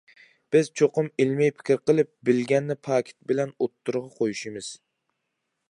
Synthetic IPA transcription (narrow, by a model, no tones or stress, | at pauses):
b̥ɪz̥t͡ʃʰoqʊmɪlmɛjpʰɪ̥kʲɾqəlˠɪp̚bɪlɡʲɛnːɪpʰɑːkʲʰɪ̥t̪̚bɪlɛnot̪ʰːuɾʁɑqʰojuʃimɨz̥